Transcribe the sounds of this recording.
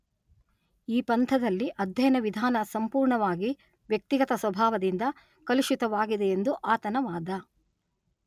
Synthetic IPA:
iːpɐnt̪ʰɐd̪ɐlːiʔɐd̪ʱjɐjɐnɐʋid̪ʱaːnɐsɐmpuːɾɳɐʋaːɡi | ʋjɐk̚t̪iɡɐt̪ɐsʋɐbʱaːʋɐd̪ind̪ɐ | kɐliʃut̪ɐʋaːɡid̪eend̪uʔaːt̪ɐnɐʋaːd̪ɐ

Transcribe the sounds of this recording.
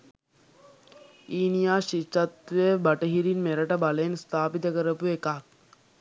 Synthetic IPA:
iːnijaːʃit͡ʃːat̪ːʋebaʈəɦiɾinmeɾəʈəbaləenst̪ʰaːpit̪əkəɾəpuekak̚

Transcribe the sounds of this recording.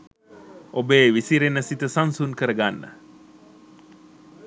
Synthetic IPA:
ʔobeːʋisiɾenəsit̪əsansunkəɾəɡanːə̰

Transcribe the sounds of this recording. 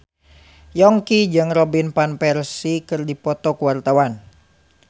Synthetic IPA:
jɔŋkid͡ʒɨŋrɔbinpanpɛrsikɨrdipɔt̪ɔkuwart̪awan

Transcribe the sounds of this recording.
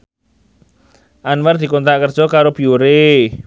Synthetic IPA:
ʔanward̪̥i̤kont̪aʔkərd̥ʒ̥ɔ̤kaɾob̥iuɾe

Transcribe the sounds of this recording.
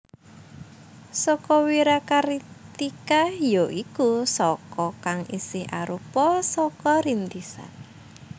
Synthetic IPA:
sɔkɔwiɾakaɾit̪ikajoʔikusɔkɔkaŋisɪhʔa̰ɾupɔsɔkɔɾind̪isa̰

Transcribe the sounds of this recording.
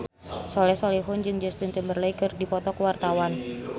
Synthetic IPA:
sɔlɛsɔliɦʊnd͡ʒɨŋd͡ʒɛst̪ʊnt͡ʃəmbərləikɨrdipɔt̪ɔkəwart̪awan

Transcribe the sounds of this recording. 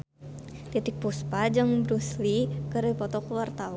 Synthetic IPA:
t̪it̪ɪk̚puspad͡ʒɨŋbɾuslikəripɔt̪ɔkuwart̪aw

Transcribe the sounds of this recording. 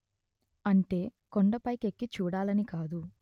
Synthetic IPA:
ɐɳʈe̞ːkoɳɖɐpɐjke̞kːit͡ʃuːɽaːlɐnikaːd̪u

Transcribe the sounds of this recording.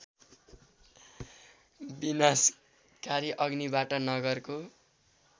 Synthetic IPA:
binas | kaɾiʔʌɡnibaʈʌnʌɡʌrko

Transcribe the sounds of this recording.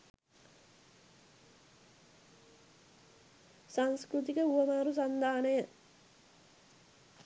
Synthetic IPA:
saŋskɾut̪̬ikəuʋɐmaːɾus̬and̪ʱaːnejə

